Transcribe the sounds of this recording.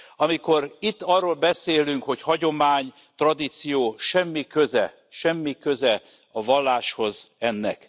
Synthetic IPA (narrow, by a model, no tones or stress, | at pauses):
ɒmiko̞ɾit̪ːɒrːoːlbɛseːlyŋkho̞chɒɟo̞maːɲ | t̪rɒd̪it̪sijoːʃɛmːikøzɛ | ʃɛmːikøzɛ | ɒvɒlːaːʃho̞zɛnːɛ̰k